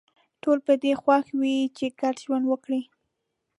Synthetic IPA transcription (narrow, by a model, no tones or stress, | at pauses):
ʈolpəd̪exwaxwit͡ʃeɡaɽʒwanwəkɽi